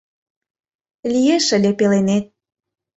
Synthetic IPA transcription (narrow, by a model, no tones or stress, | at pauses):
lʲijeʃə̆lʲepelenet̪̚